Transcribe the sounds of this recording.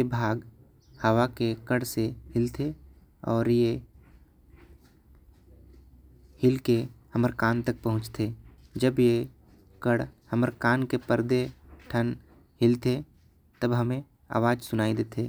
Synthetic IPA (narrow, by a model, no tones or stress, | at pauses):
ebʱaːɡ | həwakekəɽsehɪlt̪ʰe | ɔːɾje | hɪlkehəməɾkaːnt̪ək̚pəɦʊ̃t͡ʃt̪ʰe | d͡ʒəbje | kəɽhəməɾkaːnkepəɾd̪eʈʰən | hɪlt̪ʰe | t̪əbɦɐmẽ | a̰ːʋaːd͡ʒsʊnaːid̪eːt̪ʰeː